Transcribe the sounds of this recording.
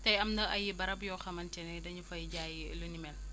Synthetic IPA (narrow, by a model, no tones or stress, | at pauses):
tɐjɐmnɐʔɐjibɐɾɐbjɔːxɐmɐntɛnɛdɐɲufɐjɟaːjilunimɛl